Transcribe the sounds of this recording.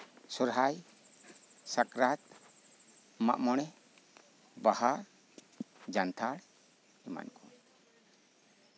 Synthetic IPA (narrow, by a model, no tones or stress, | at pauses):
sɔɾɦaj | sakɾat̪ | ma̰ʔmɔɽ̃ɛ | bahaɾ | d͡ʒant̪ʰaɽ | ɛma̰nkɔ